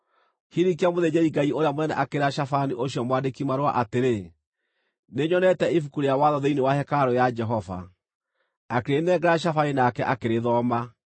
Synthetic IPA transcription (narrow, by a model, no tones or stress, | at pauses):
hiɾikiamoðed͡ʑeɾiŋɡaioɾeamonɛnɛ̰ʔakeɾaʃafaniʔoɕjɔmwadekimaɾwaʔateɾe | neɲɔnɛtɛifukuɾejawaðɔðeinewahɛkaɾɔjad͡ʒɛɦɔva̰ | akeɾenɛɡɛɾaʃ̬afaninakɛʔakeɾeðɔːma